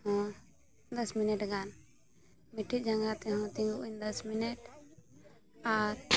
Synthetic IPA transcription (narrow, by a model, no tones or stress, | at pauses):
ɦɔ̃ | d̪ɐsminɛʈɡan | miʈʰid͡ʒɐ̃ŋɡat̪ɛɦɔ̃t̪ĩŋɡuʔund̪əsminɛʈ | aɾ